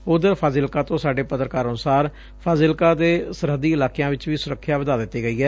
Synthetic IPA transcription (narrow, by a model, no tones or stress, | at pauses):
ʊd̪əɾpʰaːzɪlkaːt̪õːsaːɖeːpət̪ɾəkaːɾənʊsaːɾ | pʰaːzɪlkaːd̪eːsəɾɦəd̪iːɪlaːkejãːʋɪt͡ʃʋiːsʊɾəkʰːjaːʋəd̪aːd̪ɪt̪ːeːɡəiːɛː